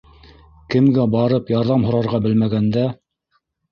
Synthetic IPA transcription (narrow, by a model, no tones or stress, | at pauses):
kɘ̆mɡæbɑɾɤpjɑɾðɑmɦŏɾɑɾʁɑbɘ̆lmæɡænd̪æ